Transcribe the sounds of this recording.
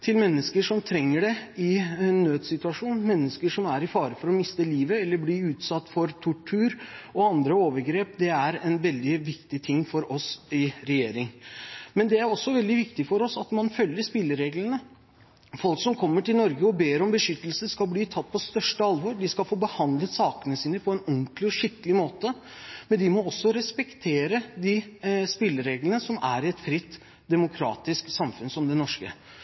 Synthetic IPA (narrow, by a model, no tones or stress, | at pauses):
t̪ʰɪlmɛnːəskəʂɔmt̪ʰɾɛŋːəɖɛɪnːøːd̪sɪt̪ʉɑʂuːnmɛnːəskəʂɔmæɾɪfɑːɾəfɔɾɔmɪst̪əliːʋəɛlːəbliʉːt̪sɑt̪ːfɔɾt̪ʰʊʈʰʉːɾɔɑnd̪ɾəoːʋəɾɡɾeːpd̪ɛæɾɛnʋɛld̪ɪʋɪkt̪ɪt̪ʰɪŋːfɔɾɔsɪɾɛjeːɾɪŋmɛnd̪ɛæɾɔsːɔʋɛld̪ɪʋɪkt̪ɪfɔɾɔsɑt̪mɑnfœljːəspɪlːəɾeːɡlənə | fɔlksɔmkʰɔmːəʈɪlnɔɾɡəɔbeːɾɔmbəʂʏt̪ːəlsəskɑlbliːt̪ʰɑt̪ːpʰɔst̪œʂʈəɑlʋoɾɖɪskɑlfoːbəhɑnd̪lət̪sɑːkənəsiːnəpʰɔɛnɔŋklɪɔɕʏkəlɪmoːt̪ə | mɛnd̪ɪmɔɔsːɔɾɛspɛkt̪ʰeːɾəd̪ɪspɪlːəɾeːɡlənəsɔmæ̰ɾɪɛt̪fɾɪt̪ː | d̪ɛmʊkʰɾɑ̰ːt̪ɪsksɑmfʉnsɔmd̪ɛnɔʂkə̰